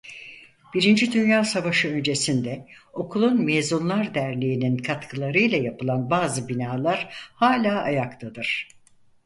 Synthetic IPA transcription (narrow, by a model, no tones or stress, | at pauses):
b̥iɾind͡ʒid̪ynjaːsavaʃɯø̞nd͡ʒe̞sind̪ɛo̞kʰulˠunmeːzunlˠaɾd̪æɾlʲijininkʰat̪kʰɯlˠaɾɯjlʲˠajapɯlˠanbaːzɯbinaːlˠaɾ̥haːlʲaːʔajakt̪ʰad̪ɯɾ̥